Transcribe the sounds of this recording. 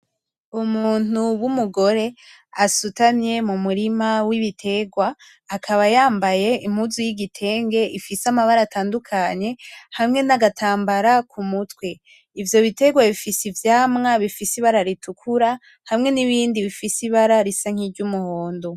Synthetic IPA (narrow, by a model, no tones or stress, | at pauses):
umuːn̥uwumuɡo̞ɾe̞ | asutanje̞mumuɾimawiβitʰe̞ɡwaː | kʰaβajaːmbaje̞im̥huzujiɡitʰe̞ːŋɡe̞ʔifisamaβaɾataːndukʰaɲe̞hamŋe̞naɡatʰaːmbaɾakʰumutwe̞ | ivjo̞βite̞ɡwaβifisivjaːmŋaβifisiβaɾaɾitukʰuɾa | hamŋe̞niβiːndiβifisiβaɾaɾisaŋ̥iɾɟumuho̞ːndo